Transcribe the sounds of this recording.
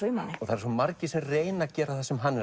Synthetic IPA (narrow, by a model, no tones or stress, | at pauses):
ujmanːɪɔɣθaɾsɔmaɾcɪsɛreːjnacɛːɾaθasɛmɦanːɛ